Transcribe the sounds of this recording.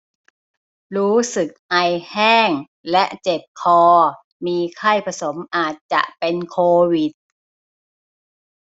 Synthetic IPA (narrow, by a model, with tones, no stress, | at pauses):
ɾuː˦˥sɯ˨˩k̚ʔa˧jhɛː˥˩ŋ | lɛ˦˥ʔt͡ɕe˨˩p̚kʰɔː˧ | miː˧kʰa˥˩jpʰa˧so˩˦mʔaː˨˩t̪̚t͡ɕa̰˨˩ʔpe˧nkʰoː˧wi˨˩t̪̚